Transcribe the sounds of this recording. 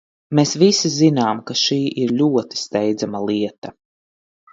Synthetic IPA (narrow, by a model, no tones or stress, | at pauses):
mesvisizinaːmkaʃiːʔiɾlʲuɔt̪i̥st̪ɛjd̪zamalˠiɛt̪a